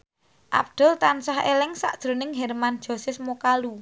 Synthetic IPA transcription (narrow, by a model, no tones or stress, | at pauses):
ʔa̰b̚d̪̥ʊ̤lt̪ansaɦḛlɪŋsa̰ʔd̥ʒ̥ɾo̤nɪŋɦɛɾmand̥ʒ̥o̤sɪsmokalu